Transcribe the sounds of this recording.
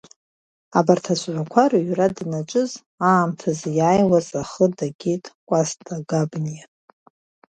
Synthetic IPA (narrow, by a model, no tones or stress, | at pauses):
abartʰasʷʼʕʷakʷʰaɾaɥradnat͡ʃʷʼʊz | aːmtʰazjaːjwazaχədaɡʲitʼkʷʼastʼaɡabnijatʼ